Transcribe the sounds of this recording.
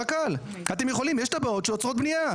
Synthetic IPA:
akal | at̪emjeχo̞limjeʃt̪abao̞tʃeot͡sʁo̞t̪̚bnija

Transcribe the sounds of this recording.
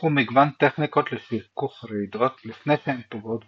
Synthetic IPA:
umiɡvant̪eχniko̞t̪lefikuχɾid̪ot̪lifnejʃehempoɡot̪

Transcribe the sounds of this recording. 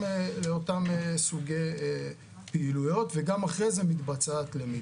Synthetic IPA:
leo̞tamesuɡe̞j | peilujo̞tveɡamaχʁejzemit̪bat͡sat̪lemi

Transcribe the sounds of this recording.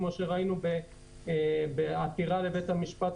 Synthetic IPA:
mo̞ʃeʁainube | beatiʁale̞bet̪hamiʃpat

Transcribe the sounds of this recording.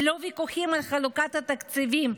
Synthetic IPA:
lovikuχimalχalukat̪hat̪akt͡sivim

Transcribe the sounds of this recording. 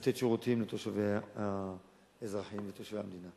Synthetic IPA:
t̪etʃeʁut̪imlet̪oʃaveha | ezʁaħimlet̪oʃvehamd̪ina

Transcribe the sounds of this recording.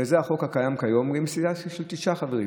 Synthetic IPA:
ezeaχo̞kakajamkajo̞mɡemsidaʃelt̪iʃaχaveʁi

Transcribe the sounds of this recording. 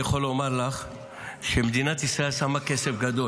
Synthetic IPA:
aχolːmaʁlaχ | ʃemed̪inat̪isʁae̞lsamake̞sefɡad̪o̞

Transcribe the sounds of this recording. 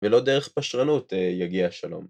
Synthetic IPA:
velo̞d̪eʁeχpaʃʁanut̪jaɡiaʃalo̞̰m

